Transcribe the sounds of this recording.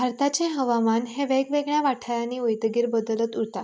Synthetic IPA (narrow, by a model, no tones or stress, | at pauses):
bʱaɾt̪at͡ɕẽɦəʋamanɦẽʋeɡʋeɡɳjaʋaʈʰajãniːojt̪əɡiːɾbəd̪ələt̪uɽt̪a